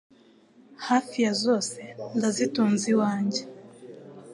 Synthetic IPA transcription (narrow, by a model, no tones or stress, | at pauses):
haːfijazo̞ːse̞ndazituːnziwaːɲɟe̞